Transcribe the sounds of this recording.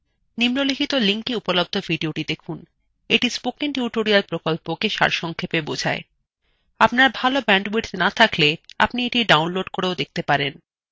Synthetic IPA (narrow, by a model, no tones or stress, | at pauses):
nimnolikʰit̪oliŋkiupolob̚d̪ʱovʱiɖioʈid̪ekʰun | eʈispokiŋʈjuʈoɾialpɾokolpokeʃa̰ɾʃɔŋkʰepebod͡ʑʱa̰e | apnaɾbʱalobɛɳɖbiʈnat̪ʰaklea̰pnieʈiɖawnloɖkoɽeod̪ek̚ʰt̪epaɾen